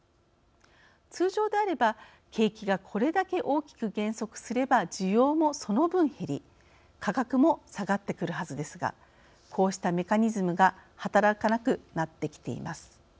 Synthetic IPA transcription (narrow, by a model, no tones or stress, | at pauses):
t͡sɨːʑo̞ːd̪e̞aɾe̞ba | kʰe̞ːkʲiɡakʰo̞ɾe̞d̪ake̞ʔo̞ːkʲi̥kɯ̟ɡẽ̞ɰ̃so̞kɯ̟̥sɨɾe̞bad͡ʑɨjo̞ːmo̞so̞no̞bɯ̟̃ɰ̃he̞ɾʲi | kakakɯ̟mo̞saɡat̪ːe̞kɯ̟ɾɯ̟ɦazɨd̪e̞sɨɡa̰ | kʰo̞ːɕi̥t̪ame̞kaɲ̟izɨmɯ̟ɡahat̪aɾakanakɯ̟nat̪ːe̞kʲi̥t̪e̞̰ḭmasɨ̥